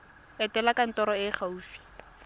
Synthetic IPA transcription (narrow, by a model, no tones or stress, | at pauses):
ɛtɛlakan̩tɔɾɔɪχauːfi̥